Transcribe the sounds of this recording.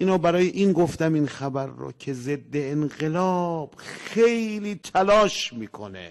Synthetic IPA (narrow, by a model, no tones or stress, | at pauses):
ʔiːnɔːbæɾɒːjeʔinɡoft̪æminxæbæɾːo̰cʰe̞ze̞d̪ːe̞ːnɣe̞lɒːb̥xejliːt̪ʰælɒːʃmiːkʰo̰nḛ